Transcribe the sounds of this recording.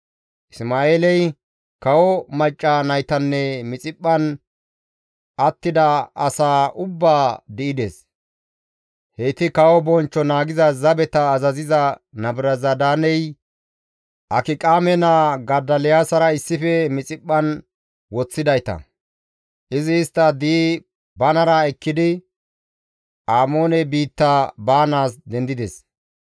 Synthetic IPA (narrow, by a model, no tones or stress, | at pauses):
ʔɪsmaːeːlɛj | kɐwɔmɐt͡ʃʼːanɐjt̪ɐnːɛmɪt͡sʼɪpʼːɐn | ʔɐt̪ːɪd̪ɐɐsaːʔʊbːaːd̪ɪɪd̪eːs | hejt̪ɪkɐwɔbɔnt͡ʃːɔnaːɡɪzɐzɐbɛt̪ɐːzɐzɪzɐnɐbɾɐzɐd̪aːnɛj | ʔɐkɪkʼaːmɛnaɡɐd̪ɐlɪjaːsɐɾɐɪsːɪfɛmɪt͡sʼɪpʼːɐn | wɔt͡sːɪd̪ɐjt̪ɐ̰ | ʔɪzɪːst̪ːɐd̪iː | bɐnɐɾɐɛkːɪd̪ɪ | ʔaːmo̞ːnɛbiːt̪ːabaːnaːsd̪ɛnd̪ɪd̪ɛ̰s